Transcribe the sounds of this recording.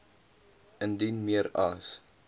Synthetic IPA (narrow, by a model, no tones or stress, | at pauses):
əndinmiəɾɐs